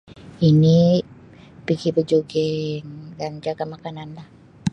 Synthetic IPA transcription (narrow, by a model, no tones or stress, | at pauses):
ini | piɡipəd͡ʒoɡɛŋɡaɲd͡ʒakamakananlah